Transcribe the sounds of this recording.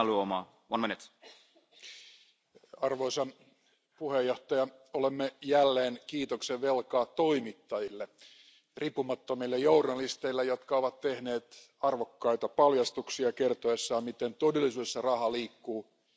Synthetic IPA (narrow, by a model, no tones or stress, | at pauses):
luomɑ̰ː | ʋɑ̰nmenet̪ | ɑrʋoisɑn | puhejːoht̪ɑjɑolemːejælːeːnkiːt̪okseʋʋelkɑːt̪toimit̪ːɑjilːe | ripːumɑt̪ːomilːejournɑlist̪eilːejot̪kɑoʋɑt̪tehneːt̪ | ɑrʋokːɑit̪ɑpɑljɑst̪uksiɑkert̪oesːɑːmit̪ent̪odelːisyːesːɑrɑhɑliːkːuː